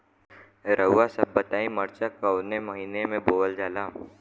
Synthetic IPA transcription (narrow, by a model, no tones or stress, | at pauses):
ɾəʊːasɐbːət̪aːĩməɾt͡ʃakəʊnemɐɦiːnemẽboːʋəld͡ʒaːlaːm